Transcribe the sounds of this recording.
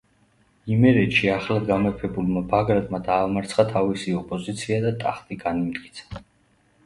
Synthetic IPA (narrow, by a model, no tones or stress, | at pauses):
imɛɾɛt̪ʃiaχlad̪ɡamɛɾpʰɛbulmabaɡɾat̪ʼmad̪aːmaɾt̪sʰχat̪ʰavisiɔpʼɔzit̪sʰiad̪at̪ʼaχt̪ʼiɡanimd̪kʼi̥t̪sʰḁ